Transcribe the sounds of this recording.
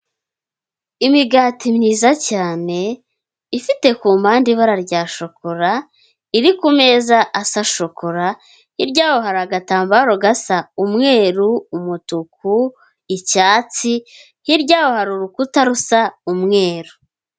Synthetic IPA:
imiɡaːtimniːzacaːne̞ | ifite̞kuːmaːndiβaɾaɾɟaːʃo̞koɾa | iɾikume̞ːzaʔasaʃokoɾa | hiɾɟaːho̞haɾaɡataːmbaɾoɡasaumŋe̞ːɾuːmutuku | icaːt͡si | hiɾɟaːwo̞haɾuɾukutaɾusaumŋe̞ːɾu

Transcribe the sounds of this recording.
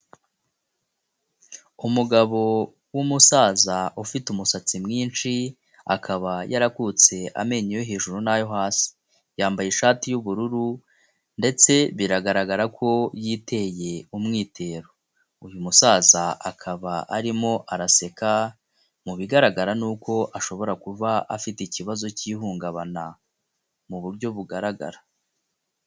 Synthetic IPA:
umuɡaβo̞ | wumusaːzaufitumusat͡simŋiːnʃi | a̰kʰaβajaɾakut͡se̞ʔa̰me̞ɲejoɦeːʒuɾunajo̞ɦaːsi̥ | jaːmbajeʃaːtijuβuɾuɾu | nde̞t͡se̞βiɾaɡaɾaɡaɾakʰo̞jiːtʰe̞je̞umŋiːtʰe̞ːɾo | ujumusaːzaakʰaβaʔaɾimo̞ʔaɾase̞ka | muβiɡaɾaɡaɾanuːko̞ʔaʃo̞βo̞ɾakuvaa̰fiteiciβazo̞ciːhuːŋɡaβa̰na | muβuɾɟo̞βuɡaɾaɡa̰ɾa

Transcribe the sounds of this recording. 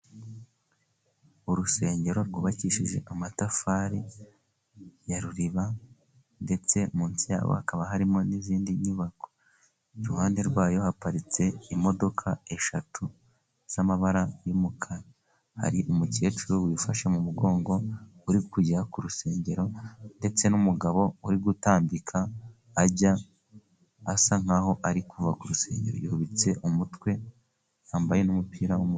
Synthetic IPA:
uɾuse̞ːɲɟe̞ɾo̞ɾɡuːβaciːʃiʒe̞̰ʔamatafaɾi | jaɾuɾiβa | nde̞t͡se̞muːnsija̰ːβo̰hakaβaɦaɾimo̞niziːndiɲuβako̞ | ɾuhaːnde̞ɾɡwaːjo̞hapaɾit͡se̞imo̞do̞kʰae̞ʃatʰu | z̥amaβaɾajumukʰaɾa | ha̰ɾiʔomuce̞ːt͡ʃuɾowiːfaʃemumuɡo̞ːŋɡo̞uɾikuɟakuɾuse̞ːɲɟe̞ɾo̞nde̞t͡se̞numuɡaβo̞uɾiɡutaːmbikʰaː | ɟa | saŋ̥aho̞ʔaɾikuvakuɾuse̞̰ːɲɟe̞̰ɾo̰jihuβit͡se̞ʔumutwe̞ | aːmbaje̞numupiːɾawomu

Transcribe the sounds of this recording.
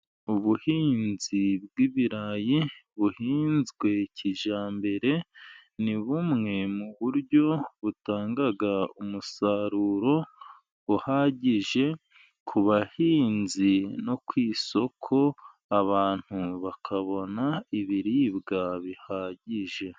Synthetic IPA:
uβuhiːnzibɡiβiɾajiβuhiːnzɡwe̞cʰiʒaːmbe̞ɾe̞niβumŋe̞muβuɾɟo̞βutaːŋɡaɡaumusaɾuɾo̞ | βuhaːɟiʒe̞ | kʰuβahiːnzino̞kwiːso̞kʰo̞ | aβaːn̥huβakʰaβo̞naiβiɾibɡaβihaːɟiʒe̞

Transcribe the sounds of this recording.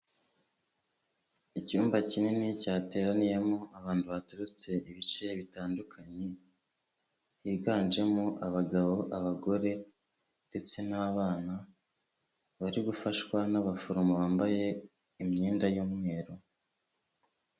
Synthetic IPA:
icuːmbacininicaːte̞ːɾanije̞moʔaβaːnduβatuɾut͡se̞ʔiβit͡ʃejβitaːndukʰaɲe̞ | jiɡaːnd͡ʒe̞moʔaβaɡaβo̞ʔaβaɡo̞ɾe̞ | nde̞t͡se̞naβaːna | βaɾiɡufaʃwanaβafoɾumoβaːmbaje̞ | imɲiːndajuːmŋe̞ːɾo

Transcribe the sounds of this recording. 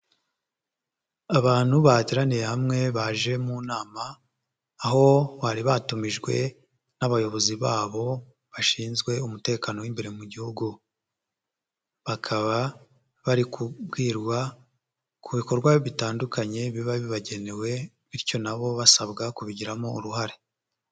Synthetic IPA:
aβaːn̥huβatiɾanijehamŋe̞βaʒe̞muːnaːmaː | ɦo̞βaɾiβatumiʒɡwe̞̰ | naβajo̞βo̞ziβaːβo̞ | βaʃiːnzɡwe̞umute̞ːkaːno̞wimbe̞ɾemuɟihuɡu | βakʰaβa | βaɾikubɡiːɾɡwa | kʰuβiko̞ɾɡwajoβitaːndukaɲe̞βiβaβiβaɟe̞ne̞we̞ | βiɾco̞naβo̞βasaβɡakuβiɟiɾamouɾuɦaɾe

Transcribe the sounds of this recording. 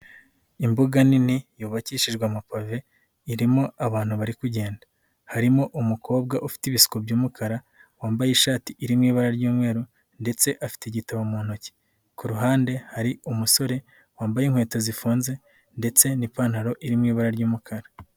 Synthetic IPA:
imboɡaninijuːβaciʃiʒɡwamapave̞ | iɾimo̞aβaːn̥huβaɾikuɟe̞ːndḁ | haɾimo̞ʔumukʰo̞ːbɡaʔufi̥tiβisi̥kobɟuːmukʰaɾa | waːmbajiʃaːtiʔiɾimŋiːβaɾaɾɟuːmŋe̞ːɾu | nde̞t͡se̞ʔafi̥tiɟitaβomuːn̥oci̥ | kuɾuɦaːnde̞haɾiumuso̞ɾe̞ | waːmbajiːŋ̥hwe̞ːtazifuːnze̞ | nde̞t͡se̞nipaːn̥haɾo̞ʔiɾimŋiːβaɾaɾɟuːmukʰaɾa

